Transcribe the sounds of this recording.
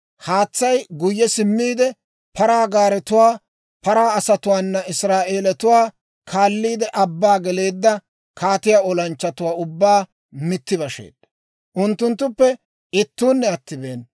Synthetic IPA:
haːt͡sːɐjɡʊjːɛsɪmːiːd̪ɛ | pɐɾaːɡaːɾɛt̪ʊwaː | pɐɾaːɐsɐt̪ʊwaːnːɐɪsɾaːʔe̞ːlɛt̪ʊwaː | kʰaːlːiːd̪ɛʔɐbːaːɡɛle̞ːd̪ːɐ | kʰaːt̪ɪjaːɔlɐnt͡ʃːɐt̪ʊwaːʊbːaː | mɪt̪ːɪbɐʃḛːd̪̥ːɐ | ʔʊnt̪ːʊnt̪ːʊpːɛ | ɪt̪ːuːnːɛɐt̪ːɪbeːn

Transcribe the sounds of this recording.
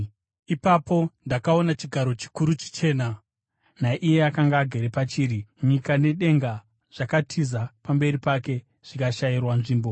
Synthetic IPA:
ipapo̞ndakao̞nat͡ʃiɡʱaɾo̞t͡ʃi̥kuɾut͡ʃi̥t͡ʃe̞ːna | naʔije̞akaŋɡaːɡʱe̞ɾepat͡ʃiːɾiɲikane̞ɗe̞ŋɡa | ʐ̥akatʰizapambe̞ripake̞ | ʐ̥ikaʃajirwanʐiːmbo̞

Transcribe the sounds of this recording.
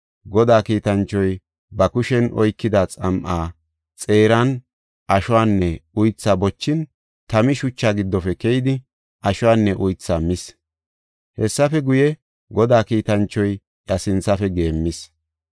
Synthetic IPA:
ɡɔd̪aːkiːt̪ɐnt͡ʃːɔj | bɐkʊʃɛnʔɔ̰jkːɪd̪at͡sʼɐmʔaː | t͡sʼe̞ːɾan | ʔɐʃʊwaːnːɛʊjt͡sːaːbɔt͡ʃːɪn | t̪ɐmɪʃʊt͡ʃːaːɡɪd̪ːɔfɛkɛjɪd̪ɪ | ʔɐʃʊwaːnːɛʔʊjt͡sːaːmɪs | hɛsːɐfɛɡʊjɛ | ɡɔd̪aːkiːt̪ɐnt͡ʃːɔj | ʔɐsɪnt͡sɐfɛɡe̞ːmːɪs

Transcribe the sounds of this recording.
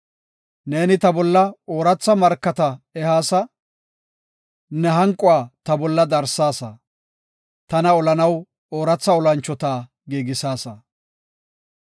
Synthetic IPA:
ne̞ːnɪt̪ɐbɔlːɐoːɾɐt͡sːɐmɐɾkːɐt̪ɐɛhaːsɐ | nɛɦɐŋkʼːʊaːt̪ɐbɔlːɐd̪ɐɾsːaːsɐ̰ | t̪ɐnɐɔlɐnɐw | oːɾɐt͡sːɐɔlɐnt͡ʃːɔt̪aː | ɡeːɡɪsaːsɐ

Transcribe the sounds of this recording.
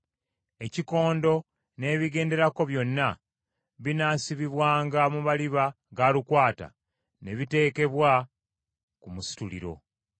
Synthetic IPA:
e̞ciko̞ːndo̞ | ne̞ːβiɡe̞ːnde̞ɾako̞βjo̞nːa | βinaːsiβiβwaːŋɡamuβaliβa | ɡaːlukwaːta̰ | ne̞βite̞ːke̞βwa | kumusi̥tulḭɾo̞̰

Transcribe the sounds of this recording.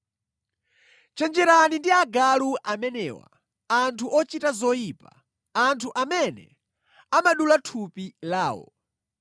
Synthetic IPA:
t͡ʃɛnd͡ʒɛɾanindiaɡaluʔamɛnɛ̰wa̰ | antʰuʔɔt͡ʃitazɔjipa | antʰuʔamɛnɛ̰ | amaɗulatʰupilaːwɔ̰

